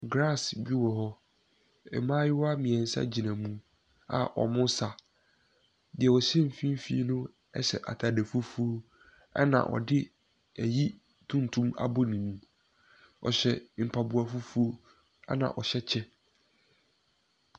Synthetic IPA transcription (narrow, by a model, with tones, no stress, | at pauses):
ɡɾa˦˨sbi˦wɔ˨ɦɔ˦ | ɛ̰˨mãː˦jɪ˦wɔ˦a˦mĩ˨ɛ̃˨n̩˨˦sa̰˦d͡ʑi˨nã˨mũ˦ | a̰˨ʔɔ̰˨mʊ̃˦n˦sa˨ | dɪ˨ɛ˨wɔ˨ɕɛ̃˦m̩˨fĩ˦m˦fḭ˦nũ˦ | ɛ̰˦ɕɛ̰˨ʔa̰˨tʰa˨de˨fu˦fu˦o˦ | a̰˦nã̰˨ʔɔ̰˨dɪ˦ | æ˨ji˦ | tʰũ˦n˨tʰũ˦ma̰˦bo˦nĩ˨mũ˦ | ɔ˨ɕɛ˨m̩˨pʰa˨bu˨a˨fu˦fu˦o˦ | a̰˦nã̰˨ʔɔ˨ɕɛ˦t͡ɕʰɛ˦